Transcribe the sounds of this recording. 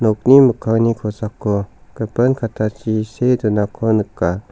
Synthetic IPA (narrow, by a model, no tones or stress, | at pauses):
nɔk̚niməkʰawnikʰɔsakːokəpənkʰat̪ʰat͡ʃisedunakʰonɯkːa